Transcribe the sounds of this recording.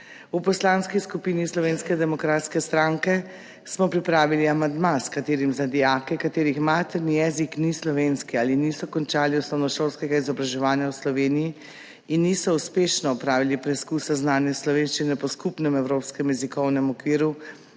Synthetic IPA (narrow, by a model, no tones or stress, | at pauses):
upɔslanskiskupiːnislɔʋeːnskɛd̪ɛmɔkɾaːt̪skɛst̪ɾaŋkɛ | smɔpɾipɾaːʋiliamand̪maskat̪eːɾimzad̪ijakɛkat̪eːɾixmaːt̪ɛɾnijɛziknislɔʋeːnskiaːlinisɔkɔnt͡ʃaːliusnɔwnɔʃoːlskɛɡaizɔbɾaʒɛʋaːnjawslɔʋeːniji | inːisɔuspeːʃnɔɔpɾaːʋilipɾɛskusaznaːnjɛslɔʋeːnʃt͡ʃinɛpɔskupnɛmɛwɾopskɛmjɛzikɔwnɛmɔkʋiːɾu